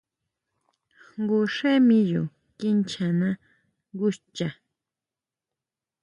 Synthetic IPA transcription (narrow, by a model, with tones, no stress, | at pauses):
ŋɡu˧ʂẽ˦mĩ˧jṵ˨ | ki˦nt͡ʃʰã˨nã˧ | ŋɡu˦t͡ʃa˨